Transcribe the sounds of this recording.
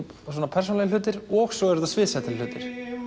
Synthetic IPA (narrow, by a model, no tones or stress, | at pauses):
s̬ɔːnapʰɛɾ̥s̬unljlʏːt̪ɪɾɔɣsɔɛɾʏðasvɪːðsɛt̪ʰɪlʏːt̪ɪɾ̥